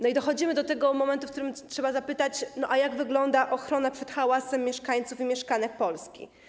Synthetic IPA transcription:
nɔid̪ɔxɔd͡ʑimɘd̪ɔt̪ɛɡɔmɔmɛnt̪ufk̚t̪uɾɘmtʂɛbazapɘt̪at͡ɕnɔʔajaɡvɘɡlɔnd̪aʔɔxɾɔnapʂɛt̪xawasɛmːjɛʂkaɲt̪sufimʲjɛʂkanɛkpɔlskʲḭ

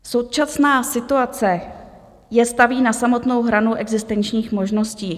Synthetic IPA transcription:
so̞wt͡ʃasnaːsɪt̪uat͡sɛ | jɛst̪aviːnasamo̞t̪no̞wɦɾanuʔɛɡzɪst̪ɛnt͡ʃɲiːxmo̞ʒno̞sciː

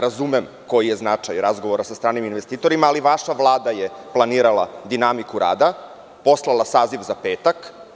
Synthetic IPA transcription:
ɾazumem | ko̞jijeznat͡ʂajɾazɡo̞ʋoɾasast̪ɾaːniminʋest̪iːt̪o̞ɾimaːliʋaʃaʋlˠaːd̪ajeplˠaniːɾalˠa̰d̪inamikuɾa̰ːd̪a | po̞slˠalˠasaːziʋzape̞ːt̪ak

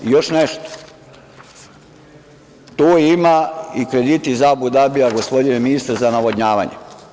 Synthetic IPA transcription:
jo̞ʃneʃt̪o̥ | t̪oːimaikɾed̪it̪izabud̪abiaɡospo̞d̪ineminist̪aɾzanaʋodɲaːʋa̰ɲḛ

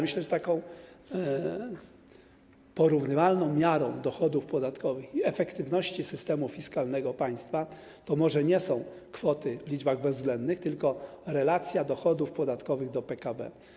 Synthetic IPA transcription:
mɘɕlɛt͡ɕt̪akɔ̃w̃ | pɔɾuvnɘvalnɔ̃w̃mʲjaɾɔ̃w̃d̪ɔxɔd̪ufpɔd̪at̪kɔvɘxiɛfɛkt̪ɘvnɔɕt͡ɕisɘst̪ɛmufʲiskalnɛɡɔpaj̃st̪fa | t̪ɔmɔʐɛɲɛsɔ̃w̃ | kfɔt̪ɘvlʲid͡ʒbaɣbɛzːɡlɛnd̪nɘxt̪ɘlkɔɾɛlat̪sʲjad̪ɔxɔd̪ufpɔd̪at̪kɔvɘɣd̪ɔpɛkabɛ̰

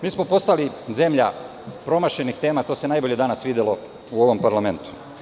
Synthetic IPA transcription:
miːsmo̞po̞st̪alize̞mʎa | pɾo̞maʃe̞nixt̪e̞ːmat̪o̞ːse̞najbo̞ʎe̞d̪anasʋiːd̪jelo̞ | uo̞ʋo̞mpaɾlˠame̞nt̪u̥

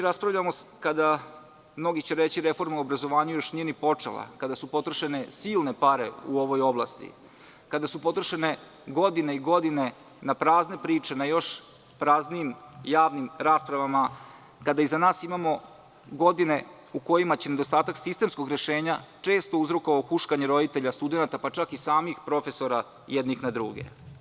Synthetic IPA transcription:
ɾaspɾavʎamokad̪a | mno̞ɡit͡ɕe̞ɾe̞t͡ɕiɾe̞fo̞ɾmauobɾazo̞ʋaːɲujo̞ʃnijenipo̞t͡ʂḛlˠa̰kad̪asupo̞t̪ɾoʃe̞ne̞siːlˠne̞paɾe̞̰uo̞ʋo̞jo̞blˠa̰ːst̪ḭ | kad̪asupo̞t̪ɾoʃe̞ne̞ | ɡo̞d̪ineiɡo̞d̪ine̞ | napɾaːzne̞pɾiːt͡ʂe̞najo̞ʃ | pɾazniimjaːʋnimɾaːspɾaʋama | kad̪aizanaːsimamo̞ | ɡo̞d̪ine̞ | uko̞jimat͡ɕened̪o̞st̪aːt̪aksist̪e̞msko̞ɡɾe̞ʃe̞ːɲat͡ʂe̞ːst̪o̞uzɾokoʋaoxuʃkaɲeɾo̞d̪it̪e̞ʎast̪ud̪e̞nat̪apat͡ʃakisaːmixpɾo̞fe̞so̞ɾa | jɛd̪nixnad̪ɾuːɡe̞̰

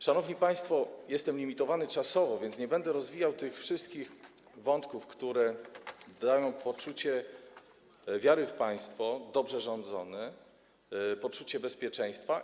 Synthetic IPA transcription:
ʂanɔvɲipaj̃st̪fɔjɛst̪ɛmlʲimʲit̪ɔvanɘt͡ʂasɔvɔvʲjɛnt̪sɲɛbɛnd̪ɛɾɔzvʲijawt̪ɘxfʂɘst̪̚kʲix | vɔnt̪kufkt̪uɾɛd̪ajɔ̃w̃pɔt͡ʂut͡ɕɛ | vʲjaɾɘfpaj̃st̪fɔd̪ɔbʐɛʐɔnd̪zɔnɛ | pɔt͡ʂut͡ɕɛbɛspʲjɛt͡ʂɛj̃st̪fa

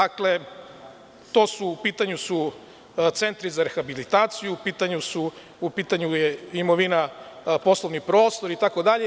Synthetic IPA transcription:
akle̞ | t̪o̞suːpiːt̪aɲusu | t̪se̞nt̪ɾizaɾe̞xabilit̪aːt̪sijuːpiːt̪aɲusu | upiːt̪aɲujeimo̞ʋinapo̞slˠo̞ʋnipɾo̞ːst̪o̞ɾit̪ako̞d̪aʎe

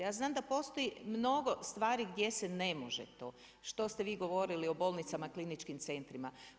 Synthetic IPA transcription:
jaːznaːmd̪apo̞st̪o̞jimno̞ɡo̞st̪ʋaːɾiɡd̪je̞sene̞moʒḛt̪o̞̰ː | ʃt̪o̞st̪eʋiːɡo̞ʋo̞ɾilio̞bo̞ːlˠnit̪samaklinit͡ʃkimt̪se̞nt̪ɾima

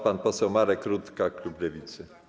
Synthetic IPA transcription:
panpɔsɛwmaɾɛkɾut̪kaklublɛvʲit̪sɘ

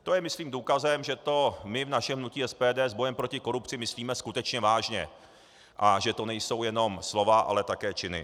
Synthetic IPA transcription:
t̪o̞jɛmɪsliːmduːkazɛmʒɛt̪o̞mɪvnaʃɛmɦnuciːɛspɛːdɛːzbo̞jɛmpɾo̞cɪko̞ɾupt͡sɪmɪsliːmɛskut̪ɛt͡ʃɲɛvaːʒɲɛ̰ | ʔaʒɛt̪o̞nɛjso̞wjɛno̞mslo̞vaʔa̰lɛt̪akɛːt͡ʃɪnɪ̰

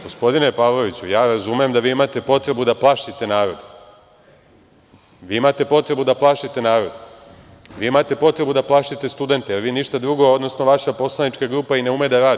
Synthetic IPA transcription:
ɡo̞spo̞d̪ine̞paːʋlˠo̞ʋit͡ɕujaːɾazumejemd̪aʋiːimat̪e̞po̞t̪ɾe̞bud̪aplˠaʃit̪e̞naːɾo̞d̪ | ʋiːimat̪e̞po̞t̪ɾe̞bud̪aplˠaːʃit̪e̞naːɾo̞d̪ | ʋiːimat̪e̞po̞t̪ɾe̞bud̪aplˠaʃit̪e̞st̪ud̪e̞nt̪ejeɾʋiːniʃt̪ad̪ɾuɡo̞od̪nosno̞ʋaʃapo̞slˠanit͡ʃkaɡɾuːpaine̞ume̞d̪aɾaːd̪

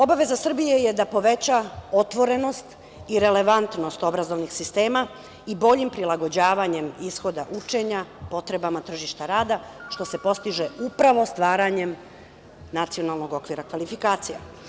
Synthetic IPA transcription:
o̞baʋe̞zasr̩bije̞je̞d̪apo̞ʋe̞t͡ɕao̞t̪ʋo̞ɾe̞no̞st̪ | iɾe̞le̞ʋant̪no̞st̪o̞bɾazo̞ʋnixsist̪e̞ːma | ibo̞ʎimpɾilˠaɡo̞d͡ʑaːʋaɲe̞misxo̞d̪aʔut͡ʃe̞ɲapo̞t̪ɾe̞bamat̪r̩ʒiʃt̪aɾaːd̪aʃt̪o̞se̞po̞st̪iʒeupɾaʋo̞st̪ʋaːɾaɲe̞m | nat̪sio̞nalˠno̞ɡo̞kʋiɾakʋalifikaːt̪sija

